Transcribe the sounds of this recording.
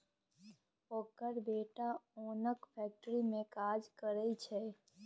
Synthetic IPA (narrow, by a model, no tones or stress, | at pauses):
oːkəɾbeʈaoːnəkpʰɛk̚ʈɾimẽkad͡ʒkəɾɛit͡ʃʰe